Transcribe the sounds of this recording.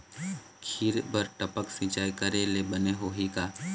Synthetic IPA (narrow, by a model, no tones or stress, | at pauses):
kʰiɾbəɾʈəpəksĩːt͡ʃaːikəɾelebəneɦoːɦikaː